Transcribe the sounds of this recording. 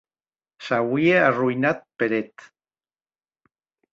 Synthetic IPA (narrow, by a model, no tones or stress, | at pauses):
sawiearujnat̪̚peɾet̪